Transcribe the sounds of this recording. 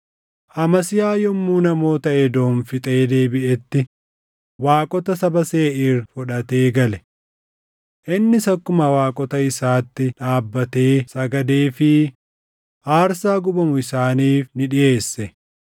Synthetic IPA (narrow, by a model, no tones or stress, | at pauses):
ʔɐmɐsɪjaːjɔmːuːnɐmo̞ːt̪ɐʔɛd̪o̞ːnfɪt̪ʼe̞ːd̪e̞ːbɪʔɛt̪ːɪ | waːkʼɔt̪ɐsɐbɐseːʔɪːrfɔᶑɐt̪e̞ːɡɐlɛ | ʔɪnːɪsɐkːʊmɐwaːkʼɔt̪ɐɪsaːt̪ːɪᶑaːbːɐt̪eːsɐɡɐd̪eːfɪ | ʔaːɾsaːɡʊbɐmʊɪsaːniːfnɪᶑɪʔe̞ːsːɛ